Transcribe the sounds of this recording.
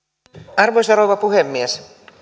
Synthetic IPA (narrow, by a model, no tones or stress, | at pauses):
ɑrʋojsɑɾoʋɑpuɦemːies